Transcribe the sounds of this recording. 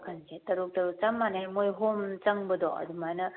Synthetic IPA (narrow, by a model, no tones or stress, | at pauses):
kʰansʰetɐɾuk̚tɐɾut͡ʃɐmːanajmojɦomt͡ʃɐŋbəd̪ɔʔɐ̰dumajnɐ